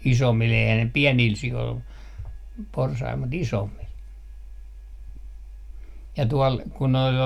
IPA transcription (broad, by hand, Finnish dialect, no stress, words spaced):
isomːil eihæ ne piɛniːl sioil porsɑil mut isomːil jɑ tuɔl kun̆ noil